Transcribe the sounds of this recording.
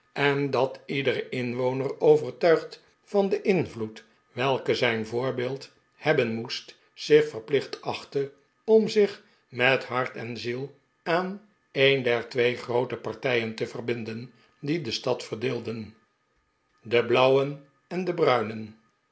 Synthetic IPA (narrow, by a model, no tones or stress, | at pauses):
ɛndɑtidərəɪnʋownərowvəɹtœɥχt | fɑndəʔɪnvlut | ʋɛlˠkəzɛjnvʊːɹbɪːlˠt | hɛbənmust | sɪχfərplɪχtəɑχtə | ɔmzɪχ | mɛtɦɑɹtɛnzilˠ | aːn | ejndɛɹtʋejχrowtəpɑɹtɛjəntəvərbɪndən | didəstɑtfərdɪːlˠdən | dəblʌwən | ɛndəbrœɥnən